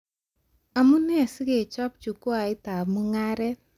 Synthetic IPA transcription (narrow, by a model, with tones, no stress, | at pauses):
a˨mu˦nɛ˦sɡe˨t͡ʃɔ˦p̚t͡ʃu˨kwa˨ɪ˦ta˨mu˦ŋa˦ɾɛ˦